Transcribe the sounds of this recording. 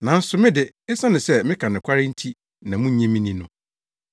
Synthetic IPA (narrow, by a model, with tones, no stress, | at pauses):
nã˨n̩˦sʊ˨mɪ̃˦dɪ˨n̩˦sã˦nʊ̃˨sɛ˦mɪ̃˦kʰã˨nɪ̃˨kʷʰa˦ɾɪ˦n̩˦tʰi˦ | nã˨mũ˦ɲɛ̃˦mĩ˦nĩ˦nʊ̃˨